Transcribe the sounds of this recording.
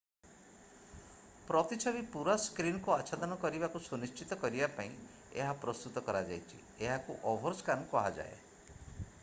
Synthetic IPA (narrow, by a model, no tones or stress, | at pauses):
pɾɔt̪it͡ʃʰɔbipuɾaskɾinɔkuat͡ʃʰad̪ɔnɔkɔɾibakusunist͡ʃit̪ɔkɔɾibapaĩ | ḛɦapɾɔst̪ut̪ɔkɔɾad͡ʒa̰jt͡ʃʰḭ | eɦakuʔɔbʱɔɾskanɔkɔɦad͡ʒa̰ḛ